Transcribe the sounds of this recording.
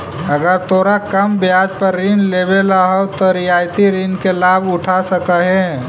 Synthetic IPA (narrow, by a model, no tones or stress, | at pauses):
əɡəɾt̪oːɾakəmbjaːd͡ʒpəɾːinlebelaɦɔt̪ɔɾijaːjt̪iɾinkelaːbʊʈʰasəkəɦẽ